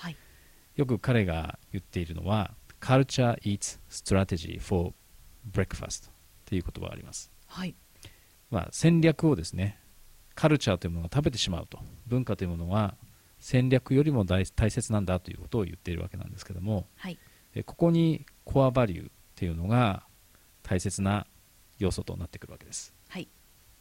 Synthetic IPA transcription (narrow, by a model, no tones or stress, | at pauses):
h | jo̞k̬ɯ̟kaɾe̞ɡa̰jɯ̟t̪ːe̞iɾɯ̟no̞̰βakʰaɾɯ̟t͡ɕaʔiːt͡sɨ̥sɨ̥t̪oɾat̪e̞ʑḭfo̞ | b̟ɾe̞kɯ̟̥fa̰st̪o̥ | t̪ːe̞jiɯ̟ko̞t̪o̞ba̰a̰ɾḭma̰sɨ̥ | ha | ma̰sẽ̞ɲɾʲakɯ̟o̞d̪e̞sɨne̞ | kʰaɾɯ̟t͡ɕaːt̪o̞jɯ̟monoɡat̪abe̞t̪̬e̞̥ɕima̰ɯ̟t̪o̞bɯ̟̃ŋkat̪o̞jiɯ̟mo̞no̞ɡa | sẽ̞ɲɾʲakɯjo̞ɾʲimo̞d̪ait̪aise̞t͡sɨnãnd̪at̪o̞jɯ̟̰ːko̞̥t̪o̞ːjɯ̟̰t̪ːe̞iɾ̟̰a̰ke̞nã̰nd̪e̞sɨ̥ke̞d̪o̞mo̞ | ḛko̞ko̞ɲ̟ikʰo̞abaɾʲɯ̰ | t̪ːe̞jɯ̟no̞ɡa | t̪ʰaise̞t͡sɨna | jo̞ːso̞t̪o̞̰nat̪ːe̞kɯ̟ɾɯ̟βake̞d̪esɨ̥ | ha